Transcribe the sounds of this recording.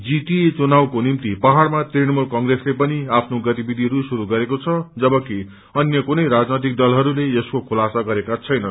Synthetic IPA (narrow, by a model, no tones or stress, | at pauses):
d͡zit̪iet͡sunawkonimt̪ipʌɦaɽmat̪rinʌmulkʌŋɡreslepʌniapʰnoɡʌt̪ibid̪ʱiɦʌɾusuɾuɡʌɾekot͡sʰʌd͡zʌbʌki | ʌnjʌkunʌjɾad͡znʌt̪̬ik̚d̪ʌlɦʌɾuleeskokʰulasaɡʌɾekat͡sʰʌjnʌ